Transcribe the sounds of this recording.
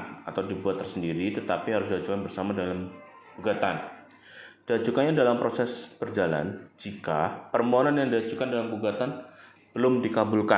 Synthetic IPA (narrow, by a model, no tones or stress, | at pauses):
nat̪awdibuat̪ːərsəndiɾit̪ət̪apiɦaɾʊs̬dad͡ʒukanbərsamadalam | ɡ̥uɡat̪an | d̥ad͡ʒukanɲadalampɾosɛsb̥ərd͡ʒala̰nd͡ʒikapərmoɦonanjaŋdiad͡ʒukandalambuɡat̪an | b̥əlʊmdikabʊlka̰